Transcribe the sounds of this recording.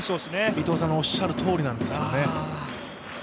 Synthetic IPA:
soːsneit̪o̞ːsãŋoɕːaɾɯ̟t̪ʰo̞ːɾʲinãnd̪e̞sɨɨjone̞

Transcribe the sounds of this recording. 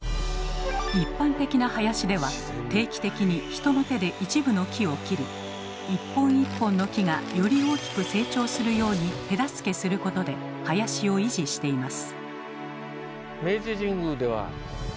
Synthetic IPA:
ipːãnt̪e̞kʲinahajaɕid̪e̞βa | t̪e̞ːkʲi̥t̪e̞kʲiɲ̟içi̥t̪o̞no̞t̪e̞d̪e̞ʔit͡ɕibɯ̟no̞kʲio̞kʲiɾi | ipːõ̞ɰ̃ipːõ̞nːo̞kʲiɡajo̞ɾʲio̞ːkʲi̥kɯ̟se̞ːt͡ɕo̞ːsɨɾɯ̟jo̞ːɲ̟it̪e̞d̪asɨ̥ke̞sɨɾɯ̟ko̞t̪o̞d̪e̞ | hajaɕio̞iʑiɕi̥t̪e̞imasɨ̥ | me̞ːʑiʑĩŋɡɯd̪e̞βa̰

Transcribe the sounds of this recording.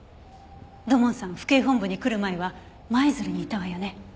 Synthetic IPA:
d̪o̞mõ̞ɰ̃sãɰ̃ɸɯ̥ke̞ːɦõ̞mbɯ̟ɲ̟ikɯ̟ɾɯ̟mae̞βa | maezɨɾɯ̟ɲ̟iːt̪aβajone̞

